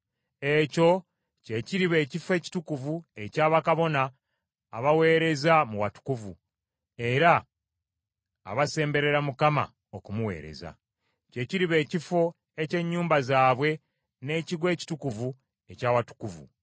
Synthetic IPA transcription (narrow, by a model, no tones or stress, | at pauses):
e̞co̞ | ce̞ciɾiβe̞ːcife̞ːci̥tukuvue̞caːβakaβo̞naː | βawe̞ːɾe̞zamuwatu̥kuvṵ | e̞ɾa | βase̞ːmbe̞ɾe̞ɾamukama̰ | okumuwe̞̰ːɾe̞̰za̰ | ce̞ciɾiβe̞ːcifo̞ | e̞ce̞ɲːuːmbazaːβwe̞ | ne̞ːciɡwe̞ːci̥tukuvu | e̞caːwatu̥kuvṵ